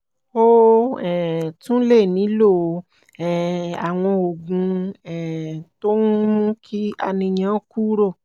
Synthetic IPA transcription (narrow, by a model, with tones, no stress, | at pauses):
o˦ɛ˨tũ˦le˦˨nĩ˨˦lo˦˨˧ | ɛ˨a˨w̃ɔ̃˧o˨ɡũ˧ɛ˨to˦n˦mũ˦kʰi˦a̰˧nĩ˧ɲã˨˦ku˦ɾo˦˨